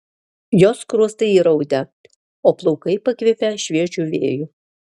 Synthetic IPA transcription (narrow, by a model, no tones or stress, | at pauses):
joːskɾuɔst̪ɐɪiːɾɐʊd̪ʲɛ | oːplˠɔʊkɐɪpɐkʲʋʲɪpʲɛʃʲʋʲiɛt͡ʃʲuːˑʋʲḛːjʊ